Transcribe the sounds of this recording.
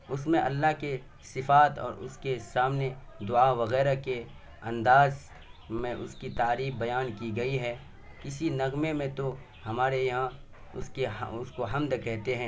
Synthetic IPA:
ʊsmẽʔɐlːaɦke | sɪfaːt̪ɔ̰ːɾʊskesaːmne | d̪ʊaʋɐɣɛːɾake | ɐ̃nd̪aːz | mẽʔʊskit̪aːɾiːfbɐjaːnkiɡɐiɦɛː | kɪsinɐɣmemẽt̪o | hɐmaːɾejɐɦã | ʊskḛʊskoɦɐmd̪kɛɦt̪eɦɛ̃ː

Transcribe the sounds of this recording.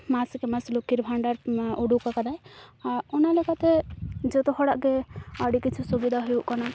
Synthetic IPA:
maskɛmaslukiɾbʱaɳɖaɾɔɖukakad̪ajaɾɔnalɛkat̪ɛd͡ʒɛt̪ɔhɔɽaʔkɛaɽikit͡ʃʰusubid̪ʱaɦujuʔkana

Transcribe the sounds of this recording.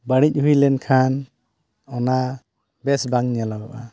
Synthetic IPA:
baɽic̚hujlɛnkʰan | ɔna | bɛsbaŋnijalaɡɔʔa

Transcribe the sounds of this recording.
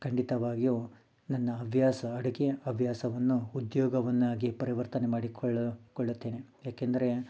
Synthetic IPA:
kʰɐɳɖit̪ɐʋaːɡiju | nɐnːɐːʋʱjaːsɐːɽɐkeɐɐʋʱjaːsɐʋɐnːuːd̪jɔːɡɐʋɐnːaːɡipɐɾiʋɐɾt̪ɐne̞maːɽikɭkɔɭːut̪ːeːne | jaːkend̪ɐɾe̞

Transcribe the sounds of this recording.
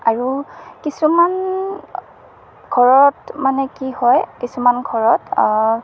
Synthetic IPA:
aɹukisuman | ɡʱɔɹɔtmanɛkihɔjkisumanɡʱɔɹɔta

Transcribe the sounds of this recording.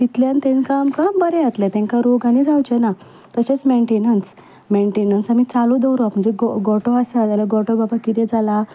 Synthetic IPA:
t̪it̪ljant̪ẽnkamkambəɾɛ̃at̪lɛ̃t̪ɛ̃ŋkaɾoɡanid͡zʱawt͡ɕɛna | t̪əɕet͡smeɳʈenəns | meɳʈenənsamit͡salod̪əwɾakm̤əɳd͡zeɡɔɡɔʈɔasat̪jalaɡɔʈɔbabakiɾjed͡zʱala

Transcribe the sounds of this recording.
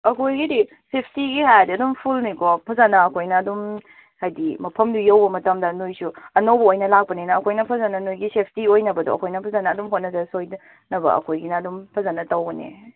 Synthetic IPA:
ɐkʰojɡidi | sepʰtiɡihajadiɐdumpʰulnikopʰɐzanɐːkʰojnɐːdum | hajdimɐpʰɐmdujɐwbɐmɐtɐmdɐnojsuɐnɐwbɐojnɐlak̚pɐninɐːkʰojnɐpʰɐzanɐnojɡisepʰtiojnɐbɐdṵɐ̰kʰojnɐpʰɐzanɐːdumɦot̚nɐzɐsoj | nɐbɐ̰ɐ̰kʰojɡinɐːdumpʰɐzanɐtɐwɡɐnḛ

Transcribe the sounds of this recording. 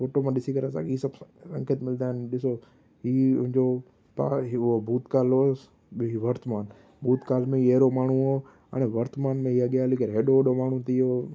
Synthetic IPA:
foːʈomãɗɪsikɐɾəsã̰ːkiːsɐbɾɐ̃ŋkət̪mɪld̪aːɪnɗɪso | ɦiːʊɪ̃ɲd͡ʑo | pa̰ːɦʊɦobʱuːt̪kaːloː | ɦiʋɐɾt̪əmaːn | bʱuːt̪kaːlmẽieːɾomaːɳ̤ũoː | a̰ːɽ̃eʋɐɾt̪maːnmẽɦiːaɠɪjaːlikəɾɦeːɗoɗomaːɳ̤ũt̪ɪo

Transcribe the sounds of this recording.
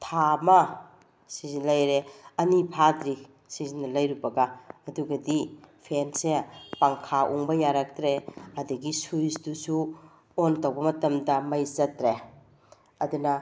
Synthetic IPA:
tʰamɐ | sizinlɐjɾeɐnipʰadɾi | sizinːɐlɐjɾubɐɡaːduɡɐdipʰensepaŋkʰaʔuŋbɐjaɾɐk̚tɾeɐdɐɡisujsdusu | ontɐwbɐmɐtɐmdɐmɐjzɐtɾe | ɐdunɐ

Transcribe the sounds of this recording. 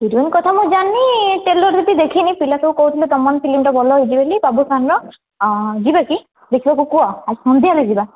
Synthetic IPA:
iɾunkɔt̪ʰamuzanːiʈelɔɾd̪it̪id̪ekʰinipʰilasɔkɔɦwt̪ʰilud̪ɔmanpʰilimʈɔbɔlɔɦjd͡ʒibelibabusanɹɔ | d͡ʒibaki | d̪ekʰibakukuaazihɔnd̪ʱiɦaleziba

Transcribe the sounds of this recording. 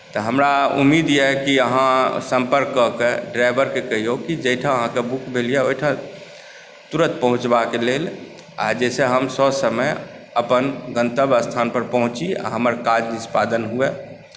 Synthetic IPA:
t̪ɔɦəmɾaṵmːid̪jɛkiəɦãsəmpəɾkːɔkeɖɾajbəɾkekəɦijokid͡ʒəjʈʰãəɦãkebukbʱelijɛojʈʰã | t̪uɾət̪̚pəɦũt͡ʃbakelel | a̰d͡ʒɛseɦəmsɔsəməj | əpənɡənt̪əbəst̪ʰanpəɾpəɦũt͡ʃia̰ɦəməɾkad͡ʒnispad̪ənɦue

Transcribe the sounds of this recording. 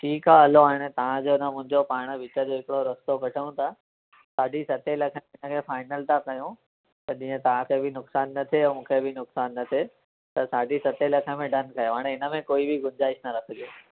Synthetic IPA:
ʈʰiːkɦaːɦɐloaːɦɪɽ̃et̪ɐʋ̤ãd͡ʑoɪnəmʊ̃ɦɪ̃ɲd͡ʑopaːɽ̃əʋɪt͡ɕəd͡ʑoːɦɪkɪɽoɾɐst̪okɐʈʰəjũt̪ʰa | saːɖʱisɐt̪elɐkʰəmẽɪnəkʰefaːɪnəlt̪ʰakɐjũ | t̪ɐʄĩːə̃t̪ɐʋ̤ãkʰeːbɪnʊksaːnːɐt̪ʰemũːkʰebɪnʊksaːnːɐt̪ʰe | t̪ɐsaːɖʱisɐt̪elɐkʰə̆mẽɖɐnkɐjoɦaːɽ̃eɪnə̆mẽkoːibʱɪɡʊnd͡ʑaːɪʃnɐɾɐkʰə̆d͡ʑioː

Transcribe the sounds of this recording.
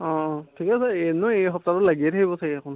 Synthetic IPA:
ɔ̃tʰikasɛenʊejɦɔp̚tatʊlaɡiɛtʰakibɔsakiakʰɔn

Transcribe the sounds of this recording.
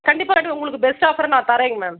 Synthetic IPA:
kɐɳɖɪpːaːkɐʈːʊŋɡɐɭɯkːɯbɛsʈaːfɐɾɐnãːt̪ɐɾɐːŋɡɐmeː

